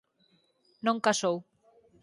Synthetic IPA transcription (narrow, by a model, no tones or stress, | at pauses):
nõŋkasow